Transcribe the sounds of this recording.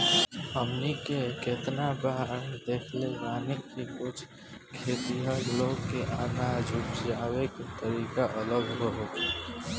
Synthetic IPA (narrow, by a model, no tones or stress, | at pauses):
əmnikeket̪nabaːɾd̪eːkʰleɾaːnekkikʊt͡ʃʰ | kʰeːt̪iɦəɾloːɡkːeʔaːnad͡ʒʊpd͡ʒjaːwekt̪əɾiːkaʔələɡɦoɦoːk̪e